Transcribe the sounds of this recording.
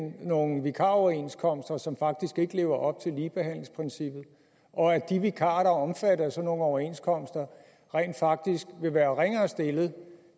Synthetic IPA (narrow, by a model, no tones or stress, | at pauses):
nno̝ːn̩ʋikʰɑ̰̈ɒʊɐe̝nskʰɒ̽m̰sd̥ɐsɒ̽mfɑ̈ɡ̥̚d̥isɡ̥e̝ɡ̥əle̝ːʊɐʔɒ̽b̥̚t͡sʰe̝lːiːb̥eɦæn̰le̝ŋspʰʁinsib̥ð̩ˠ | ʔɒ̽æd̥iʋikʰɑ̰̈ːɾ̥ɐɒ̽mfæɾɐsɒ̽no̝ːn̩ɒʊɐe̝nskʰɒ̽m̰sd̥ɐ | ʁɛ̰ːnd̥fɑ̈ɡ̥̚d̥isɡ̥ʋe̝ʋæːɐʁeŋɐːsd̥e̝lð̩ˠ